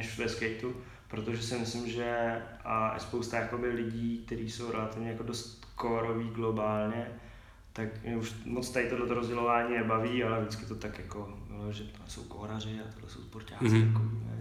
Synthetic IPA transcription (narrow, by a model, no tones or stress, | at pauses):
nɛʃvɛskɛjt̪u | pɾot̪oʒɛsɪmɪslɪmʒɛ | a̰spowst̪ajako̞bɪlɪɟiːk̚t̪ɛɾiːso̞wɾɛlat̪ɪvɲɛjako̞dost̪ | koɾoviːɡlo̞baːlɲɛ | t̪akmɛuʃmot͡st̪aɪt̪odlɛt̪oɾozɟɛlo̞vaːɲiːnɛbaviːalɛvdɪt͡skɪt̪ot̪akjako̞loʒɛ | so̰wko̰ːɾarɪat̪odlɛ̰sowspoɾca̰ːkɪakoviːɛ̰